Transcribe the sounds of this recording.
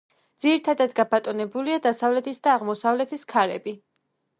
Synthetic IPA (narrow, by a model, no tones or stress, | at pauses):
d̪z̥iɾit̪ʰad̪ad̪ɡabat̪ʼɔnɛbuliad̪asavlɛt̪ʰisd̪aːʁmɔsavlɛt̪ʰiskʰaɾɛbi